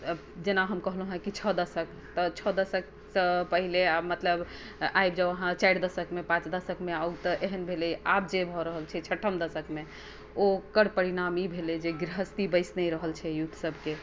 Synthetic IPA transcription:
d͡ʒenaɦəmkəɦlɦɦə̃kit͡ʃʰəd̪əsək | t̪ət͡ʃʰəd̪əsək̚ | səpəɦileamət̪ləb | ajbd͡ʒəəɦãt͡ʃajɾd̪əsəkmepãt͡ʃd̪əsəkmeaut̪əʔeɦənbʱelɛab̚d͡ʒebʱɔɾəɦəlt͡ʃʰɛt͡ʃʰəʈʰəmd̪əsəkme | okəɾpəɾinamibʱelɛd͡ʒeɡɾiɦəst̪ibəɪsnəɾəɦəlt͡ʃʰɛjut̪ʰːsəbʱke

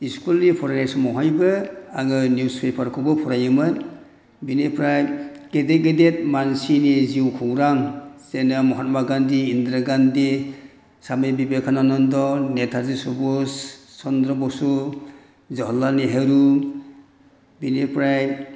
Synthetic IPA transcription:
iskulnipʰɔɾanasumɔɦajbɯaŋɯnjuspepʰaɾkʰɔbɔpʰɔɾajɯmɯn | binepɾajɡ̥edeɡedet̚mansiniziwkʰuwɾaŋsenamɔɦat̚maɡandiːndɾaɡandi | samebibekʰananɔndɔnetʰaɾzisɔbusːɔndɾɔbɔsu | zɔɦɔlːaneɦeɾu | binepɾaj

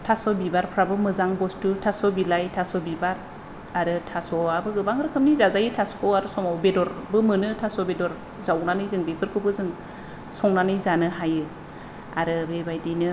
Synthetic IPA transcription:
tʰasɔbibaɾpʰɾabɯmɯzaŋbɔstutʰasɔbilajtʰasɔbibaɾ | aɾɯtʰasɔabɯɡɯbaŋɾɯkʰɯmnizazajitʰaskʰɔaɾɯsɔmawbedɔɾbɯmɯnɯtʰasɔbedɔɾ | zawnanɯjzɯŋbepʰɯɾkʰɯbɯzɯŋ | sɔŋnanɯjzanɯɦajɯ | a̰ɾɯbebajdinɯ

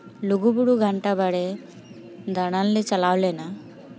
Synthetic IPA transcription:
luɡubuɽuɡʱɐɳʈabɐɽe | d̪ʱɐɽalːit͡ʃɐlaːwlena

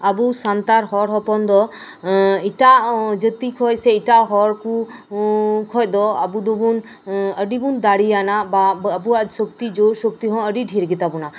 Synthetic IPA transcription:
abusant̪aɾɦɔɾɦɔpɔnd̪ɔ | iʈad͡ʒət̪ikʰɔjsɛiʈaɦɔɾku | kʰɔc̚ˀd̪ɔa̰bud̪ɔbun | əɖibund̪aɽianababuasɔkt̪id͡ʒosɔk̚t̪iɦɔ̃əɖiɖʱiɾɡɛt̪abɔna

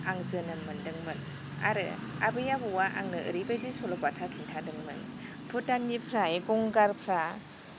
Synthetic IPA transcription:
aŋzɯnɯmɯndɯŋmɯn | a̰ɾɯ̰ | a̰bɯjabuwaʔa̰ŋnɯʔɯ̰ɾibajdisɔlɔkwatʰakʰintʰadɯŋmɯ̰n | pʰɯtanːipʰɾaeɡɔŋɡaɾpʰɾa

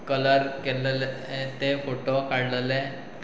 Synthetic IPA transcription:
kələɾkɛll | t̪efoʈokaɽlle

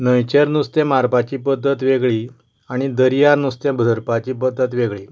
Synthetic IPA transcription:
nəjt͡ɕeɾnust̪ẽmaɾpat͡ɕiːpəd̪ːət̪ʋeɡɭi | aɽ̃id̪əɾijaɾnust̪ẽbʱəd̪ʱəɾpat͡ɕiːpəd̪ːət̪ʋeɡɭi

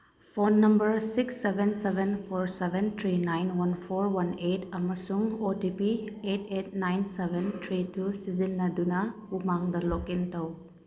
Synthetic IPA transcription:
pʰonːɐmbɐɾsiksːebʱensebʱenpʰoɾsebʱent̪ʰɾinajnwɐnpʰoɾwɐnetɐmɐsuŋotipietet̚najnsebʱentʰɾitusizinːɐdunɐ | umaŋdɐlokintɐw

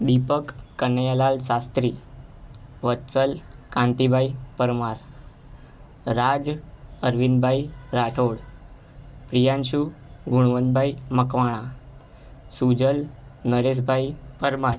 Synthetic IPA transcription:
d̪ipəkːənjalalsast̪ɾi | ʋətːt͡səlkãnt̪ibʱajpəɾmaɾ | ɾad͡zəɾʋinbʱajɾaʈʰoɽ | pɾijãnɕuɡuɽ̃ʋənd̪̚bʱajməkʋaɽ̃a | sud͡ʑəlnəɾes̬bʱajpəɾmaɾ

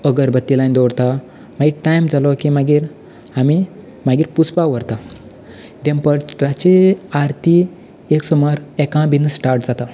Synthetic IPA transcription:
əɡəɾbət̪ːilãjnd̪ɔɽt̪a | maɡiːʈajmd͡zalɔkimaɡiːɾ | ami | maɡiːɾput͡spaʋəɾt̪a | d̪ẽmpəɾɾat͡ɕeaɾt̪ʰi | eksɔmɔɾɛkãbinsʈaɾʈd͡zat̪a

